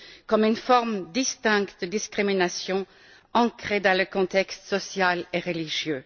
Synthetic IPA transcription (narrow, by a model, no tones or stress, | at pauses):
kɔmynfɔʁmd̪ist̪ɛ̃ŋkt̪̚d̪əd̪iskʁiminasjɔ̃ | ɑ̃kʁeːd̪ɑ̃ləkɔ̃t̪ɛkst̪sɔsjaleʁəliʒjøː